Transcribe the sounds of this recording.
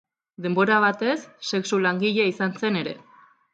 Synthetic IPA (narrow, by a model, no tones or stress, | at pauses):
d̪e̞mbo̞ɾaβ̞at̪e̞sːe̞ksulaŋɡiʎeaisanse̞ne̞ɾe̞̰